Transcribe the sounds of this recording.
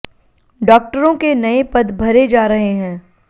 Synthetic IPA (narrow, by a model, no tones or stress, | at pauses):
ɖɔːk̚ʈəɾõkenɐepɐd̪bʱɐɾed͡ʒaːɾɐɦeɦɛ̃ː